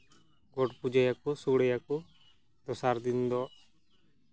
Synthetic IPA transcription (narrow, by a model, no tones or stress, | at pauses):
ɡɔʈpud͡ʒajakɔsuɽɛjakɔ | d̪ɔsaɾd̪ind̪ɔ